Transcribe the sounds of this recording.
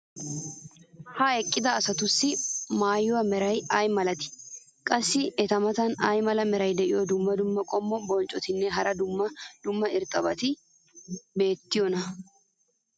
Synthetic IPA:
hɐɛkʼːɪd̪ɐːsɐt̪ʊsːɪmaːjːʊwɐmɛɾɐjɐjmɐlɐt̪ɪ̥ | kʼɐsːɪɛt̪ɐmɐt̪ɐnɐjmɐlɐmɛɾɐjd̪ɛʔɪjɔd̪ʊmːɐd̪ʊmːɐkʼɔmːɔbɔnt͡ʃʼɔt̪ɪnːɛɦɐɾɐd̪ʊmːɐd̪̥ʊmːɐɪɾt̪ʼɐbɐt̪ɪ | be̞ːt̪ːɪjɔnɐ

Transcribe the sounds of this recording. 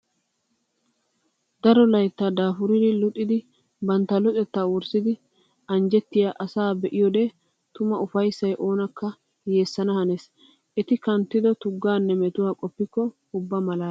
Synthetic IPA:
d̪ɐɾɔlɐjt̪ːad̪aːfʊɾɪd̪ɪlʊt̪ʼːɪd̪ɪ | bɐnt̪ːɐlʊt͡sʼɛt̪ːaːwʊɾsɪd̪ɪ | ɐnd͡ʒɛt̪ːɪjaːʔɐsaːbɛʔɪjɔd̪eː | t̪ʊmɐʊfɐjsːɐjʔo̞ːnɐkːɐ | jeːsːɐnɐhɐnes | ʔɛt̪ɪkɐnt̪ːɪd̪ɔt̪ʊɡːaːnːɛmɛt̪ʊwaːkʼɔpːɪkːɔ | ʊbːamɐlaː

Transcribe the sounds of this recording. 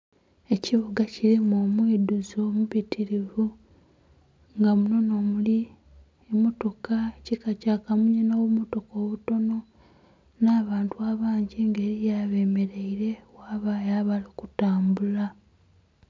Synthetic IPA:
e̞ciβuɡacilimoːmwiːduzo̞ːmuβitiɾivu | ŋɡamuno̞no̞ːmuli | emoto̞kacikacaːkamuɲinoːβumoto̞ko̞ːβuto̞no̞ | naːβaːntuaːβaːɲɟiŋɡe̞ːɾijaβeːme̞ɾe̞iɾe̞waːβajaːβalikutaːmbula

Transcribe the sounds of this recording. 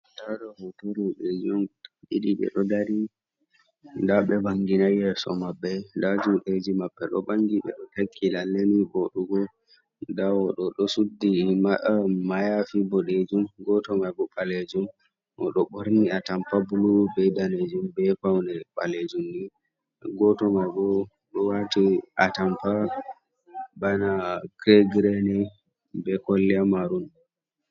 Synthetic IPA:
daɗɔhɔtoɾuɗed͡ʒumɗiɗiɓɛ̰ɗɔdaɾi | ndaɓɛbaŋɡinajɛsɔ̰mabːɛndad͡ʒuɗed͡ʒimabːɛɗɔ̰baŋɡiɓɛ̰ɗɔtakʰːilalːeniboɗuɡɔ | dawɔɗɔɗɔsudːimamajafibɔɗed͡ʒumɡɔtɔmajɡɔɓaled͡ʒum | ʔɔ̰ɗɔɓoɾniatampabulubɛjdaned͡ʒumbɛfawndɛɓa̰led͡ʒumni | ɡɔtɔmajɡɔ | ɗɔwatiʔatampa | banakɾeɡɾɛnɛ | bɛkɔlːɛamaɾun

